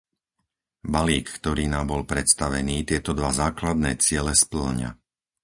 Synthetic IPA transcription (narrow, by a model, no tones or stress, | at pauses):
baliːkːt̪ɔɾiːnaːmbɔlpɾɛt̪st̪aʋɛniːt̪ɪɛt̪ɔd̪ʋazaːklad̪̚nɛ̰ːt͡sɪɛlɛspl̩ɲa̰